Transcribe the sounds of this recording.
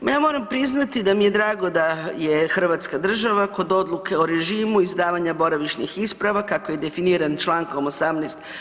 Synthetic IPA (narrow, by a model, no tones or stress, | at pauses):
mjaːmo̞ːɾampɾiznat̪id̪amije̞d̪ɾaːɡo̞d̪ajexr̩ʋaːt̪skad̪r̩ʒaʋako̞d̪o̞d̪lˠuke̞oɾe̞ʒiːmuizd̪aːʋaɲabo̞ɾaʋiʃnixispɾaʋakakoje̞d̪e̞finiɾant͡ʃlˠaːŋkomosamnɛːst̪